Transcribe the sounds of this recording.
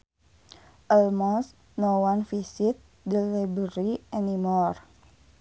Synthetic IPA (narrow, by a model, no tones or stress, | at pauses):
ʔəlmɔs | nowanfisit̪̚ | dəlibəɾiɛnimɔr